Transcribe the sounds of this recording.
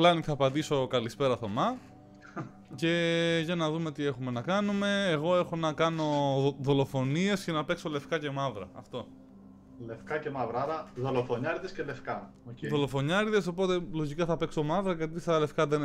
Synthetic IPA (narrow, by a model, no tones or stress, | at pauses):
lɐniθɐːpɐd̪iso̞kɐlispe̞ɾɐθo̞mɐ | ce̞ʝɐnɐðume̞t̪ie̞xume̞nɐkɐnume̞ːɣo̞e̞xo̞nɐkɐno̞ðo̞lo̞fo̞nie̞sce̞nɐpe̞kso̞le̞fkɐce̞mɐvɾɐ̰ɐ̰ft̪o̞ | le̞fkɐcemɐvɾɐɾɐðolofoɲɐɾðescele̞fkɐ | oðo̞lo̞fo̞ɲɐɾðeso̞po̞t̪e̞lo̞ʝikɐθɐpekso̞mɐvɾɐɣɐt̪ist̪ɐle̞fkɐðen